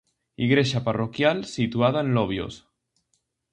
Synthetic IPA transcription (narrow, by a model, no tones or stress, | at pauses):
iɣɾeʃaparokjalsit̪uaðaenloβ̞jo̰s